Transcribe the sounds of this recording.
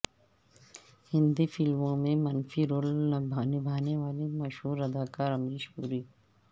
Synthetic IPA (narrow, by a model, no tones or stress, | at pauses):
hɪ̃nd̪ifʰɪlmõmẽmɐnfiɾoːlnɐbʱaːnibʱaːneʋaːlimɐʃɦuːɾɐd̪aːkaːɾɐmɾiʃuːɾiː